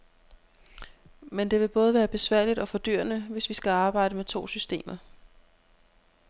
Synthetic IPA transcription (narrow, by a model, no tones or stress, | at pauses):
mend̥e̝ʋe̝b̥ɔ̽ːð̞ˠəʋæːɐb̥e̝sʋæɐ̰lid̥ɒ̽fɒ̽d̥y̰ɐ̰nəʋe̝sʋisɡ̥æɑ̈ːb̥ɑ̈ɪ̰ɾəmet͡sʰo̝̰ːsysd̥e̝̰ːmɐ